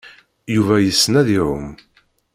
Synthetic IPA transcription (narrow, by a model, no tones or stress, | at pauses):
juvæjəsːnæðiɾʊ̰m